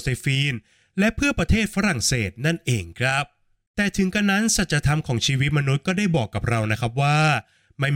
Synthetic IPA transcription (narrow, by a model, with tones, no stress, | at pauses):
seː˧˩fiː˧n | lɛ˦˥ʔpʰɯ˥˩ɐpɾa˧t̪ʰeː˥˩t̪̚fa˦˥ɾa˨˩ŋseː˨˩t̪̚na˥˩nʔeː˧ŋkʰɾa˦˥p̚ | t̪ɛː˨˩t̪ʰɯ˩˦ŋka˧nːa˦˥nsa˨˩t̪̚ɾa˧t̪ʰa˧mkʰɔː˩˦ŋt͡ɕʰiː˧wi˦˥t̪̚ma˧nu˦˥t̪̚kɔː˥˩daː˥˩jbɔː˨˩kːa˨˩p̚ɾa˧wna˦˥kʰa˦˥p̚waː˥˩ | ma˥˩